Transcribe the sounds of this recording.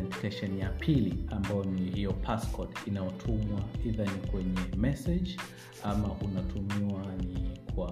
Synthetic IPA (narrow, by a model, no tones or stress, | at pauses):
ɛnti̥kaʃɛnjapʰiliambajɔnihijɔpʰaskɔtinajɔtʰumwaiðanikwɛɲɛmɛsɛd͡ʒ | amaʔunatʰumiwanikwa